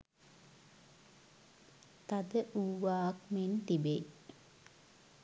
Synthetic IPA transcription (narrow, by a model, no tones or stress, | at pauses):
t̪ad̪əʔuːʋaːkment̪ibe